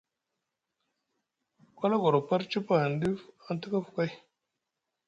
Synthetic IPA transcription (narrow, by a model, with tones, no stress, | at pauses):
kʷa˦la˦ɡo˨ɾo˨pa˦ɾt͡ʃi˦pa˦ha˨n˨di˦fa˦n˦tu˦ka˦fu̥˨ka˦j